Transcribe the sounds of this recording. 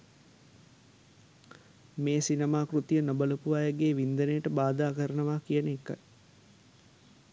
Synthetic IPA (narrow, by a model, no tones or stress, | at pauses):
meːsinəmaːkrut̪ijənobələpuʋajəɡeːʋind̪ənəjəʈəbaːd̪aːkəɾənəʋaːkijənəekːa̰j